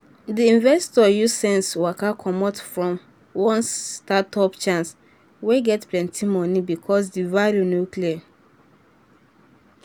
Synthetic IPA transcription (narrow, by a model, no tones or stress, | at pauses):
diĩnvɛstɔjusɛ̃nswakakʰɔmɔtfɹɔ̃m | wɔ̃nstatɔpt͡ʃãns | weɡɛtplɛ̃ntimɔnibikʰɔs̬divaɾunoklia